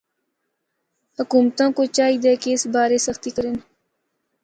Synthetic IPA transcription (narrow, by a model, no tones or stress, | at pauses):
hʊkuːmt̪ãːkoːt͡ʃaːiːd̪eːkeːɪsbaːɾeːsəxt̪iːkəɾɪn